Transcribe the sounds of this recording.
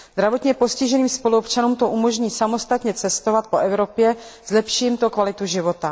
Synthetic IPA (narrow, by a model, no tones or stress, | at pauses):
zd̪ɾavo̞t̪ɲɛpo̞scɪʒɛniːmspo̞luopt͡ʃanuːmt̪o̞ʔumo̞ʒɲiːsamo̞st̪at̪ɲɛt͡sɛst̪o̞vat̪̚po̞ʔɛvɾo̞pjɛz̥lɛpʃɪjimt̪o̞kvalɪt̪uʒɪvo̞t̪a